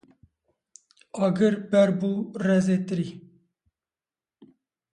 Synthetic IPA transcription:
ɑːɡɨɾbɛɾbuːrɛzeːt̪ɨɾiː

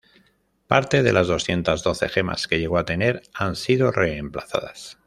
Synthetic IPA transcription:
paɾt̪e̞ð̞e̞̰lazð̞o̞sθje̞nt̪azðo̞θe̞̰xe̞ma̰ske̞ʝeɣo̞at̪e̞ne̞ɾansiðo̞re̞ːmplaθa̰ðas

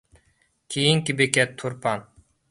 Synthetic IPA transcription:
kʰijiŋkibekɛt̪ʰːuɾpɑn

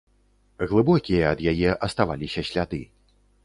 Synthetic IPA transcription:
ɣlˠɨbɔkʲijɐɐd̪jajɛʔɐst̪ava̰lʲisʲɐɕʲlʲad̪ɨ

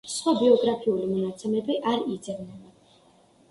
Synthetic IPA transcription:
sχwabiɔɡɾapʰiulimɔnat̪sʰɛmɛbiʔaɾid̪zɛvnɛba

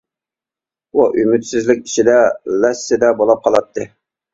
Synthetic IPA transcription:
uʔymyt̪sɪzlɪk̚ʲi̥t͡ʃid̪ɛlɛsːɪd̪ɛbolˠɑp̚qʰɑlˠɑt̪ʰːɨ

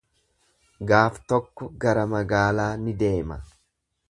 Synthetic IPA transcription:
ɡaːft̪ɔkːɔɡɐɾɐmɐɡaːlaːnɪd̪e̞ːmɐ

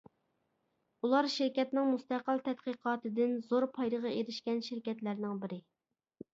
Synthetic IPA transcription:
ulˠɑɾʃɪɾkʲɛt̪nɪŋmust̪æqəlˠt̪ʰɛt̪̚qiqʰɑːt̪ɨd̪ɪnzoɾpʰɑjɾəʁɑeɾɪʃkʲɛnʃɪɾkʲɛt̪læɾnɪŋbɪɾɪ

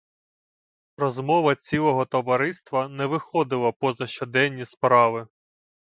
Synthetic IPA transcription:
ɾɔzmɔʋɐt͡sʲilˠɔɦɔt̪ɔʋɐɾɪst̪ʋɐnɛʋɪxɔd̪ɪlˠɐpɔzɐʃt͡ʃɔd̪ɛnʲːispɾɑʋɪ

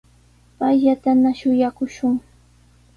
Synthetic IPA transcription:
pajʎat̪anaʃʊjakʊʃʊŋ

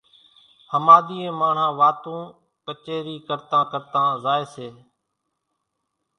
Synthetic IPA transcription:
həmaːd̪iːẽːmaːɳ̤hãːʋaːt̪ũː | kət͡ʃeːɾiːkəɾt̪ãːkəɾt̪ãːzaːeːseː

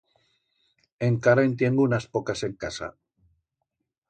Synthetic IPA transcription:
eŋkaɾant̪̬jeŋɡunaspokase̞ŋkasa̰

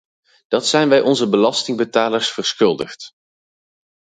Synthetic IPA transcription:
d̥ɑtsɛjnʋɛjʔɔnzəbəlɑstɪŋbətaːləɹsfərsχɵlˠdəχt

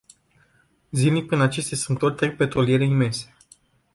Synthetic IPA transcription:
zilipɾinat͡ʃe̞st̪asunt̪ːot̪ʲt̪ɾek̚pe̞t̪ɾo̞lije̞ɾe̞ime̞nse̞̥

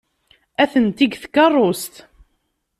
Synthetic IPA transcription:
æθənt̪iɡθkːɑrˤːost̪

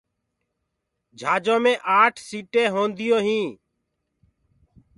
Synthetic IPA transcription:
d͡ʒʱaːd͡ʒõːmẽːʔaːʈʰsiːʈeːɦõːnd̪ɪjoːɦĩː

